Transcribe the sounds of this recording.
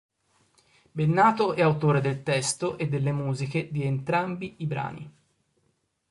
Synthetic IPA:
benːaːt̪oʔɛawt̪oːɾed̪elt̪ɛst̪oʔed̪ːelːemuːzik̟ed̪ient̪ɾambiibɾa̰ːnḭ

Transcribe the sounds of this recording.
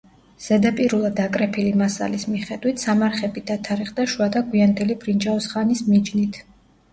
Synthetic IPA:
z̥ɛd̪apʼiɾulˠad̪ːakʼɾɛpʰilimasa̰lismiχɛd̪wit̪ʰsamaɾχɛbid̪at̪ʰaɾiχd̪aʃuad̪aɡwiand̪ɛlib̥ɾind͡ʒaɔsχanismid͡ʒnit̪ʰ

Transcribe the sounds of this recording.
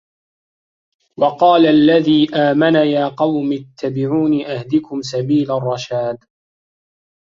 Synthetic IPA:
wɑqɑːlaalːaðiːʔaːmanajaːqɑwmɪt̪ʰːabɪʕuːniʔahd̪ɪkʊms̬abiːlarˤːɑʃaːd̪

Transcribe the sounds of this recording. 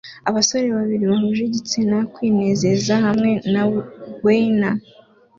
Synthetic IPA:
aβaso̞ɾe̞βaβiɾiβaɦuʒeɟit͡sinakwiːne̞ːze̞zahamŋe̞naɡwena

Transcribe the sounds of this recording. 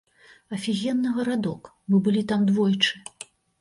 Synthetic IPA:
ɐfʲiɣʲɛnːɐɣɐɾad̪ɔk | mɨbɨlʲit̪amd̪vɔjt͡ʂɨ̥

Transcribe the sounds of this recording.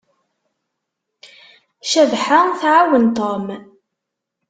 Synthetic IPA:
ʃævħaθʕawənt̪om

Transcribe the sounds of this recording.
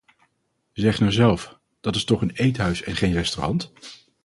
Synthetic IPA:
zɛχnaɹzɛlˠf | d̥ɑtɪstɔχənejtɦœɥsɛnχejnrɛstorɑ̰nt

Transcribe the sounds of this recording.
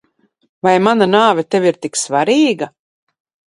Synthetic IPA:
vajmananaːvʲɛt̪eviɾt̪iksvaɾiːɡa

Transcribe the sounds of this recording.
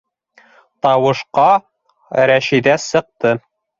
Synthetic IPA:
t̪ɑwɤ̆ʃqɑ | ɾæʃid̪æsɤ̆q̚t̪ɤ

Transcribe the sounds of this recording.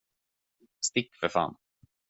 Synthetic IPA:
st̪ɪkːfœɾfa̰n

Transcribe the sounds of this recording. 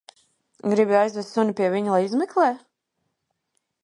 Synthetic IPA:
ɡɾibiajzvʲɛst̪sunʲipiɛviɲulˠajizmɛklˠeː

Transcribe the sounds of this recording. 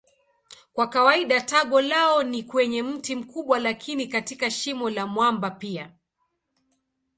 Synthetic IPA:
kwakawaiɗataɠɔlaɔnikwɛɲɛm̩tim̩kuɓwalakʰinikatikaʃimɔlamwambapia̰

